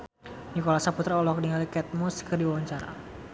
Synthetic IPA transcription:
nikɔlasaput̪ɾaɔlɔk̚diŋalikɛt̪̚muskərdiwawaɲt͡ʃaɾa̰

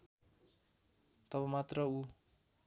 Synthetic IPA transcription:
t̪ʌβʌmat̪rʌu

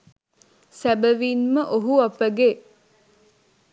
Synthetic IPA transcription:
sæbəʋinməʔoɦuapəɡe

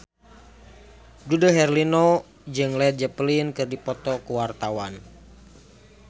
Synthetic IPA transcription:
dudəɦɛrlinɔ | d͡ʒɨŋlɛt̪̚d͡ʒəplinkɨrdipɔt̪ɔkuwart̪awan

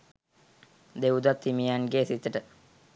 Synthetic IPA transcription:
d̪eud̪at̪ʰːimijanɡesit̪əʈə

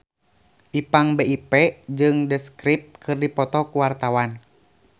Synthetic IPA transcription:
ʔipaŋbeipɛd͡ʒɨŋdəskɾip̚t̪̚kʰɨrdipɔt̪ɔkuwart̪awan

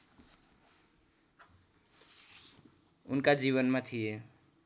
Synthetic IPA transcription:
ʊ̰nkad͡ʒiβənmet̪ʰie

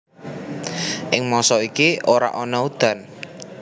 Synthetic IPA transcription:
ʔɪŋmɔsɔikioɾa̰ʔɔnɔud̪̥a̤n

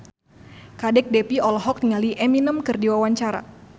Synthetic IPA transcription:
kadɛk̚dɛpiɔlɦɔk̚nŋaliʔɛminəmkɨrdiwawaɲt͡ʃaɾa̰

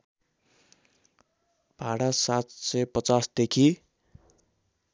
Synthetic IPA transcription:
b̥ʱaɽasat̪sʌjpʌt͡sasd̪ekʰi

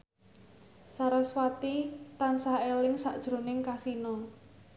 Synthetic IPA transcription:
saɾaswat̪it̪ansaelɪŋsaʔd̥ʒ̥ɾo̤nɪŋkasinɔ

